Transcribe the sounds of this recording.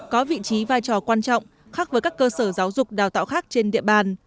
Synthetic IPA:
kɔ˨˦vḭ˧˨t͡ɕi˨˦vaː˧jt͡ɕɔ˨˩kwaː˧nt͡ɕɔ̰˧˨wŋ͡m | xaː˦˥k̚vəː˨˦jkaː˦˥kːəː˧səː˧˩zaː˨˦wzʊ˨˩k͡p̚ɗaː˨˩wt̪a̰ː˧˨wxaː˦˥k̚t͡ɕe˧nɗḭ˧˨əɓaː˨˩n

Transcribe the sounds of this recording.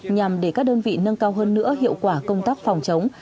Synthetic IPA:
ɲa˨˩mɗe˧˩kaː˦˥k̚ɗəː˧nvḭ˧˨nə˧nkaː˧wɦəː˧nːɨ̰˧˥əɦḭ˧˨əwkwaː˧˩kə˧wŋ͡mt̪aː˦˥k̚fa˨˩wŋ͡mt͡ɕə˨˦wŋ͡m

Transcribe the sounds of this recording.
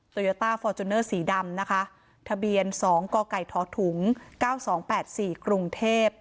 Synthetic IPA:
t̪u˧joː˦˥t̪aː˥˩fɔː˧t͡ɕu˧nːɤː˥˩siː˩˦da˧mna˦˥kʰa˦˥ | t̪ʰa˧bi˧ənsɔː˩˦ŋkɔː˧ka˨˩jt̪ʰɔː˩˦˥t̪ʰu˩˦ŋkaː˥˩wsɔː˩˦ŋpɛː˨˩t̪̚siː˨˩kɾu˧ŋt̪ʰeː˥˩p̚

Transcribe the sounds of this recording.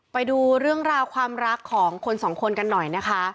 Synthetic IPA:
pa˧jduː˧ɾɯ˥˩əŋɾaː˧wkʰwaː˧mɾa˦˥kʰːɔː˩˦ŋkʰo˧nsɔː˩˦ŋkʰo˧nka˧nːɔ˨˩jna˦˥kʰa˦˥

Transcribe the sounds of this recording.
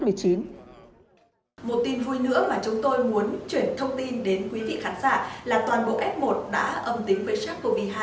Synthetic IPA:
mɨ˨˩əjt͡ɕi˨˦n | mo˨˩t̚t̪i˧nvu˧jnɨ̰˧˥əmaː˨˩t͡ɕʊ˨˦ŋ͡mt̪o˧jmu˨˦ənt͡ɕwi˧˩ənt̪ʰə˧wŋ͡mt̪i˧nɗe˨˦nkwi˨˦vḭ˧˨xaː˨˦nzaː˧˩laː˨˩t̪waː˨˩nɓo̰˧˨ʔɛ˦˥p̚mo˨˩t̚ɗa̰ː˧˥ʔə˨˩mt̪ï˨˦ŋ̟vəː˨˦jsaː˦˥k̚ko˧˩vi˧˩ɦaː˧

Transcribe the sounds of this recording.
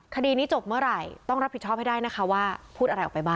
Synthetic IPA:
kʰa˧diː˧niː˦˥t͡ɕo˨˩p̚mɯ˥˩ɐɾa˨˩jt̪ɔ˥˩ŋɾa˦˥p̚ʰi˩t̚t͡ɕʰɔ˥˩ha˥jdaː˥˩jna˦˥kʰa˦˥waː˥˩pʰuː˥˩t̪ʔa˧ɾjʔɔ˨˩pa˧jbaː˥˩

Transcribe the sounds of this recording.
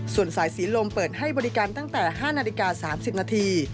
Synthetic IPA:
su˨˩ənsaː˩˦jsiː˩˦lo˧mpɤː˨˩t̪̚ha˥˩jbɔː˧ɾi˦˧kaː˧nt̪a˥˩ŋt̪ɛː˨˩ɦaː˥˩naː˧li˧kaː˧saː˩˦msi˨˩p̚naː˧t̪ʰiː˧

